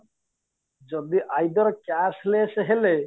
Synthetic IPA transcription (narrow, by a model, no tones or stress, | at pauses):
d͡ʒɔd̪iʔajdɔɾkasleseɦele